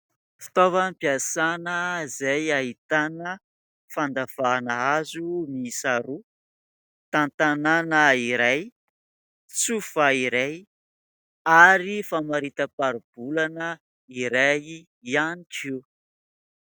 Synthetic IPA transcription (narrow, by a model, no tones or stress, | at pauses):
fi̥t̪ovanpiasanəzajaɦit̪anə | fand̪av̥anaazumisaɾu | t̪ant̪ananəiɾaj | t͡sufaiɾej | aɾifamaɾit̪əpaɾub̥ulanə | iɾaj | ianiʈ͡ʂiw